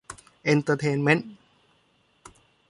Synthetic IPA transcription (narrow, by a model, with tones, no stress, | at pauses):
ʔe˧nt̪əː˧t̪ʰeː˧nme˦˥n